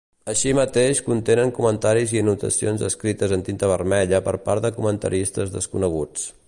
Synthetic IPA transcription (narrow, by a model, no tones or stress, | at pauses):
əʃimət̪eʃkunt̪enəŋkumənt̪aɾiziənut̪ə̰sionzəskɾit̪əzənt̪int̪əβ̞ərmɛʎəpəɾpa̰ɾðəkumənt̪ə̰ɾist̪əzðəskunəɣ̞ut͡s